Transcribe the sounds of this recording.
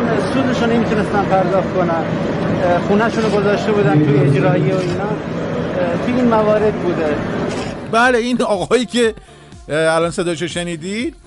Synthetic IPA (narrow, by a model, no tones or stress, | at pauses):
nsuːd̪eʃonemiːt̪ʰune̞st̪ænpʰæɾd̪ɒːxt̪konæn | xuːnæʃuːnoɡozɒːʃt̪e̞buːd̪ænt̪ʰued͡ʒɾɒːjeoiːnɒː | t̪ʰuiːnmævɒːɾe̞d̪̚buːd̪e | bæːle̞inɒːɣɒːjiːcʰʲe̞ | ælɒːnsed̪ɒːjeʃ̬oʃeniːd̪id̪̥̚